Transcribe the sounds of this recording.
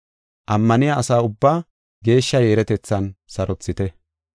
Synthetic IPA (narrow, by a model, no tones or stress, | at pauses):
ʔɐmːɐnɪjaʔɐsaːʊbːaː | ɡe̞ːʃːɐjeːɾɛt̪ɛt͡sːɐnsɐɾɔt͡sːɪt̪ɛ